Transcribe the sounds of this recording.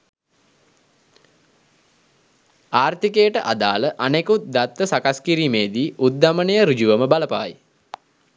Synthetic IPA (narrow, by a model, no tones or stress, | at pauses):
aːrt̪ikejəʈəʔad̪aːləʔanekut̪̚d̪at̪ʋəsakaskiɾiːmeːd̪iut̪̚ːamənejəɾud͡ʒuʋəməbaləpa̰ːji